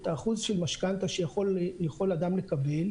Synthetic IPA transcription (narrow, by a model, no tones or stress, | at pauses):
t̪aːχuzʃelmaʃkant̪aʃejaχoljaχo̞lad̪amle̞kabe̞l